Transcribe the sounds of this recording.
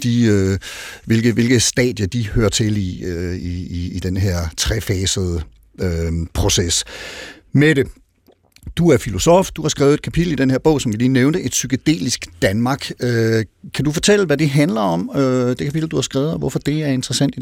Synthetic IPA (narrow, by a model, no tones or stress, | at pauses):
d̥iø | ʋe̝lɡ̥əʋe̝lɡ̥əsd̥ɛ̰ːd̥jɐd̥ihøɐt͡sʰe̝liøiiːd̥enɦeɐ̰t͡sʰʁɛfɛːsəð̞̩ˠə | øpʰʁo̝ses | meɾe̝ | d̥uæɐfilo̝sɒ̰fd̥uhɑ̈sɡ̥ʁɛ̰ʊð̩ˠed̥kʰæpʰidl̩id̥enheɐb̥ɔ̽ʊ̰sɒ̽mkʰæliːneʊnəʔe̝d̥syɡ̥æd̥e̝̰ːlisɡ̥d̥ænmɑ̈ːɡ̥økʰæd̥ufɒ̽t͡sʰel̰əʋæd̥eɦænlɐɒ̽mød̥e̝kʰæpʰid̥l̩d̥uhɑ̈sɡ̥ʁaːʊð̩ˠɒʋɒfɒ̽d̥e̝æɐe̝nd̥ʁɐsæn̰d̥i